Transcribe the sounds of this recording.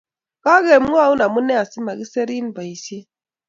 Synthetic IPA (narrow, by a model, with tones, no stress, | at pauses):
ka˦ɣe˨m̩˦ŋ˦ɔ˦˨u˦na˨mu˦ne˦a˨si˦ma˨ɣi˦se˦ɾi˦n̩˦ba˨i˨si˦